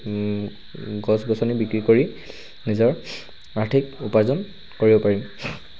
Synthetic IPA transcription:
ɡɔsɡɔsɔnibikɹikoɹi | nizɔɹ | aɹtʰikupazɔn | koɹibɔpaɹim

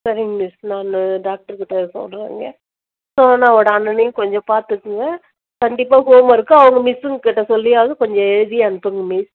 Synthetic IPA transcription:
sɐɾɪŋmɪsnaːnɯɖaːk̚ʈɐɾkɪʈːɐsɔ̰lɾḛːŋɡɐ | soːnãːɔɽɐɐnːɐnɐjʊ̃kɔɲd͡ʒɔ̃paːɾt̪ɯkːɯŋɡɐ | kɐɳɖɪpːaːɦoːmɐɪɾɯkːɯɐʋɐŋɡɐmɪsɯŋɡkɪʈːɐsɔlːɪjaːʋɐðɯkɔɲd͡ʒɔ̃ɛɻɯðɪjɐɐnɯpːɯŋɡɐmɪs

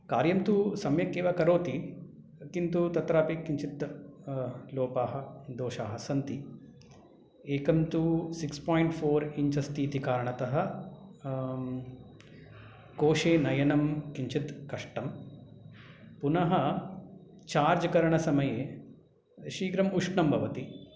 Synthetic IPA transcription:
kaːɾjɐmt̪usɐmjɐkeːʋɐkɐɾoːt̪i | kint̪ut̪ɐt̪ɾaːpikiɲt͡ʃit̪ | loːpaːɦɐ̆d̪oːʃaːɦɐsɐnt̪i | eːkɐmt̪usikspaːjɳʈfʰoːɾiɲt͡ʃɐst̪iːt̪ikaːɾɐɳɐt̪ɐɦɐ̆ | koːʃeːnɐjɐnɐmkiɲt͡ʃit̪kɐʂʈɐm | punɐɦɐ | t͡ʃaːɾd͡ʒɐkɐɾɐɳɐsɐmɐjeː | ʃiːɡɾɐmuʂɳɐmbʱɐʋɐt̪i

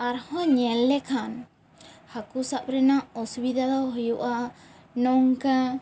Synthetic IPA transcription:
aɾhɔɲɛlːɛkʰan | hakusaʔɾɛnaʔɔsubid̪ʱad̪ɔɦɔjuʔa | nɔŋka

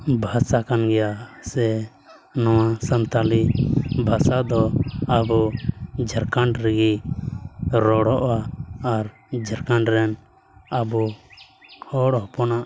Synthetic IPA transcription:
bʱasakanɡɛjasɛ | nɔwasənt̪alibʱasad̪ɔabud͡ʒʱəɾkaɳɖɾɛɡi | ɾɔɽɔʔwaːɾ | d͡ʒʱəɾkaɳɖɾɛn | abu | hɔɽɔɦɔpɔnaʔ

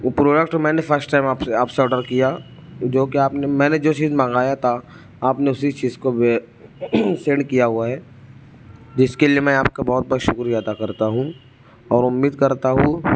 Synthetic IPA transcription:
pɾoːɖəkʈmɛ̃ːnefʰəɾsʈːaːɪmaːpeaːpseɔːɖəɾkija | d͡ʒoːkiaːpnemɛ̃ːned͡ʒoːt͡ʃiːzmãːŋɡaːjat̪ʰa | aːpneʊsit͡ʃiːzkobe | sẽɳɖkijaɦuaɦɛː | d͡ʒɪskeliemɛ̃aːp̚kabɔːt̪̚bɔːʃʊkɾjaːt̪akɐɾt̪aɦũ | ɔːɾʊmːiːd̪kɐɾt̪aɦũ

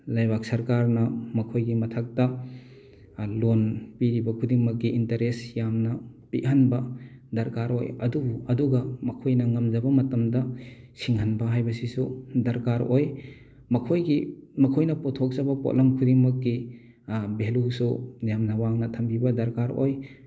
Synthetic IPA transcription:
lajbak̚sɐɾkaɾnɐmɐkʰojɡimɐtʰak̚tɐ | lonpiɾibɐkʰudiŋmɐk̚ɡiʔintɐɾesjamnɐ | piɦanbɐdɐɾkaɾo̰jɐdubuɐduɡɐmɐkʰojnɐŋɐmzɐbɐmɐtɐmdɐ | siŋɦɐnbɐɦajbɐsisudɐɾkaɾoj | mɐkʰojɡimɐkʰojnɐpɔtʰok̚zabɐpo̰ʔlɐmkʰudiŋmɐk̚ːi | belusunjamnawaŋnɐtʰɐmpʰibɐdɐɾkaɾo̰j

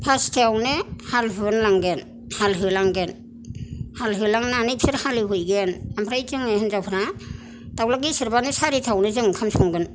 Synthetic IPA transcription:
pʰastʰeawnɯhalɦɯnlaŋɡen | halɦɯlaŋɡen | halɦɯlaŋnanɯjsʰɯɾhaliɦujɡenampʰɾajtɯŋeɦɯnzawpʰɯɾa | tawlakɡisɯɾbanɯsaɾitʰawnɯzɯŋkʰamsʰɔŋɡɯn

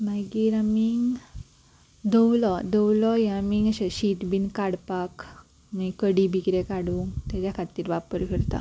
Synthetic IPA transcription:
majɡiːɾamiŋɡ | d̪əwlɔd̪əwlɔjamiŋɡɕeɕit̪binkaɽpak | mikəɽibikɾekaɽuːŋt̪jat͡ɕjakʰat̪iːɾʋapəɾfʰiɾt̪a̰

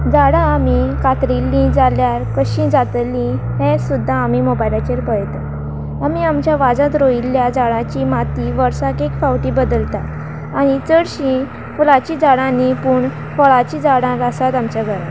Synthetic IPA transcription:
d͡zaɽãːmikat̪ɾilːĩd͡zaljaɾkəɕĩd͡zat̪lĩ | ɦẽsud̪ʱːaːmimobajlat͡ɕeɾpəɭjt̪at | amiamt͡ɕjaʋad͡zãt̪̬ɾoilːjad͡zaɽãt͡ɕimat̪iʋəɾsakekfawʈibəd̪əlt̪a | aɽ̃it͡səɽɕĩ | fulat͡ɕid͡zaɽãnipuːɳ | fəɭat͡ɕid͡zaɽãɾasat̪amt͡ɕaɡʱəɾa

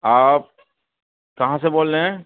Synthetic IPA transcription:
aːp̚ | kɐɦãseboːllẽɦɛ̃

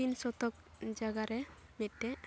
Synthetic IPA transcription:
insɔt̪ɔk̚ | d͡ʒaɡaɾɛbɛʈːɛ

